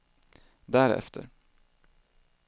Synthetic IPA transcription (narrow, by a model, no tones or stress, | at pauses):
d̪æɾɛ̰ft̪ʰə̰ɾ